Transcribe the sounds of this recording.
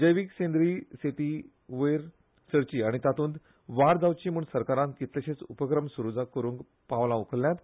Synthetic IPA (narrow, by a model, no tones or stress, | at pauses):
d͡ʑəjʋiksẽnd̪ɾiset̪iː | ʋəjɾ | səɾt͡ɕiːaɽ̃it̪at̪uːnd̪ | ʋaɾd͡zaʋt͡ɕiːm̤uɳsəɾkaɾãnkit̪leɕet͡supəkɾəmsuɾud͡zakəɾũːŋk | paʋlãukʰlːjat̪